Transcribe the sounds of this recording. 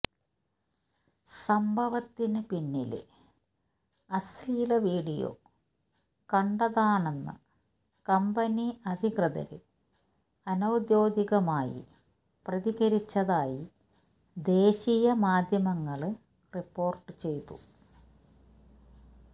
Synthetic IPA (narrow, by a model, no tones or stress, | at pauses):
sɐmbʱɐʋɐt̪ːinɨpinːḭl̰ | ɐsliːlɐʋiːɽijo̰ | kɐɳɖɐðaːɳe̞nːɨ̰ | kɐmbɐniɐd̪ʱiɣrɐðɐ̰ɾɨ̰ | ɐnɐwd̪joːd̪iɣɐmaːjḭ | prɐðiɣɐɾit͡ɕːɐðaːji | d̪eːɕijɐmaːd̪ʱjɐmɐŋːɐɭɨ | ripːo̞ːrʈːɨt͡ɕe̞jt̪ṵ